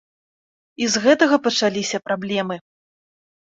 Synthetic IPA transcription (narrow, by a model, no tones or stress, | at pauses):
izɣɛt̪ɐɣɐpɐt͡ʂalʲisʲɐpɾablʲɛmɨ